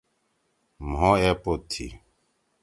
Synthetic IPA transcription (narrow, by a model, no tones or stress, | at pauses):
mɦɔ̃ːɛpot̪ʰːḭ